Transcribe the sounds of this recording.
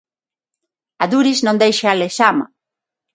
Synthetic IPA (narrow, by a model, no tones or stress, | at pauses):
aðuɾiznõnd̪ejʃaleʃama̰